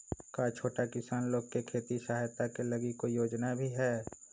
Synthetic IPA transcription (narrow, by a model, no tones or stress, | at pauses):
kaːt͡ʃʰoːʈakɪsaːnloːɡ̚kekʰeːt̪iʃaɦjt̪akelɐɡɪkojoːd͡ʒnabʱiɦɛː